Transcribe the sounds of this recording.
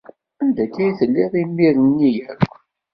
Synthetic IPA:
ænd̪ækːæjθəlːɪðˤimːiɾənːijækʷː

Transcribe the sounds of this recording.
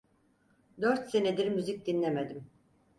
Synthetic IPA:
d̪øɾt̪se̞ned̪iɾmyzic̚d̪inlʲemed̪im

